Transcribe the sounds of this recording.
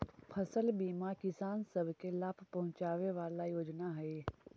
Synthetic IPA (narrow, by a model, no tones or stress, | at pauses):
pʰɐsəlbiːmakɪsaːnsɐbʱkelaːpʰpɐɦʊ̃t͡ʃaːʋeʋaːlajoːd͡ʒnaɦeː